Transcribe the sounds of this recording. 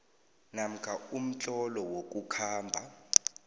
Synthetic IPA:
nam̩kʰaum̩t͡ɬʼɔlɔwok̬ʼukʰaːmbʱa

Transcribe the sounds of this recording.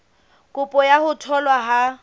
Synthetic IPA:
kʼʊpʼɔjahʊtʰɔlwaɦa

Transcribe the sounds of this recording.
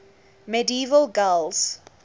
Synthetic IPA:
mɛdiiːvəlɡɛlz̥

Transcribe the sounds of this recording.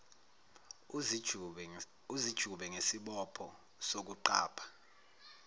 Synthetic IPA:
uzid̥ʒ̥ʱuɓɛŋesiɓɔpʰɔ | sok̬uǃa̰ːpʰḁ

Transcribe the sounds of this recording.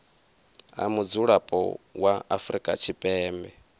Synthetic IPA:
a̰mud͡zuɺapʼɔ̰waʔafɾikʼa̰t͡ʃʰipʼɛːmbɛ

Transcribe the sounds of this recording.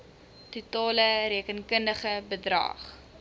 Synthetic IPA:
tutɑːləɾiəkənkəndəχəbədrɐ̰ːχ

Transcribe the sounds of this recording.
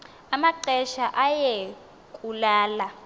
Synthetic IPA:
amaǃɛʃaʔaje | kʼulaːla

